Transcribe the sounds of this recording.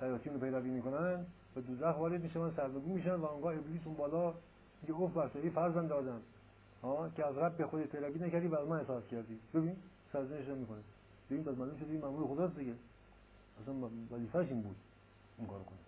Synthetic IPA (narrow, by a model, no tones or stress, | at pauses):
t̪æjɑːsijunopʰejɾæviːmiːkonæn | bed̪uzæxvɒːɾed͡ʒmiːʃævænsæɾneɡuːmiːʃænd̪væoŋɡɑːebliːs̬unbɒːlɒː | miɡeofbæɾsɔɾiːfæɾzænd̪ɒːd̪æn | hɑːkʰeæzɾæbːexod̪eʃpʰejɾæviːnækæɾd̪iːvæːzmænhesɑːskʰæɾd̪iːbebiː | sæɾzeneʃ̬namiːkonæ | b̥ebinpæsmæluːʃod̪eimæmuːɾexod̪ɑs̬d̪iɡe | æsænvæziːfæʃimbṵd̪ | iŋkɒ̰ːɾokʰone